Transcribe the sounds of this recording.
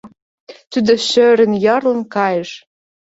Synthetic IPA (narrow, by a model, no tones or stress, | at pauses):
t̪yd̪ə̆ʃøɾə̆njɑrlɤ̆nkɑjəʃ